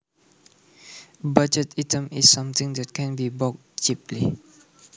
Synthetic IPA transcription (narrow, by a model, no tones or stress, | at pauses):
bad͡ʒətatə̃misːãmt̪ɪ̃ŋdɛt̚kʰɛ̃nbibɔk̚ | t͡ʃipli